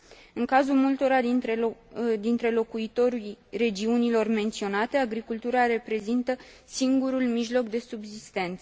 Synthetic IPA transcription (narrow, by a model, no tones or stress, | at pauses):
ɨŋkazulmult̪o̞ɾad̪ined̪int̪ɾe̞lo̞kuit̪o̞ɾujre̞d͡ʒiunilo̞rme̞nt̪sio̞nat̪e̞aɡɾikult̪uɾaɾe̞pɾe̞zint̪ə | siŋɡuɾulmiʒlo̞kd̪e̞subzist̪e̞nt̪sə